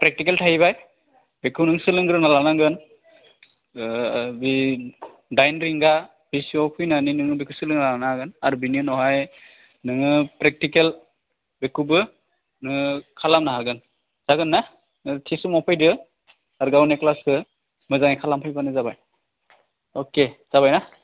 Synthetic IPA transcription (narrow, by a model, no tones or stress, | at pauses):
pɾɛk̚tikeltʰahiβaj | bekʰunɯŋsɯlɯŋɡɾɯnalanaŋɡɯn | bi | dajnɾiŋɡa | b̥isiɔpʰujnaninɯŋɯbekʰusɯlɯŋnaanaɡɯnaɾubiniɯnɔɦaj | nɯŋɯpɾek̚tikel | bekʰubɯ | nɯkʰalamnaɦaɡɯn | z̥aɡɯnːa | tʰisumɔpʰajdɯ | aɾɡawneklaskɯ | mɯzaŋikʰalampʰɯjbanɯzabaj | okez̥aβajna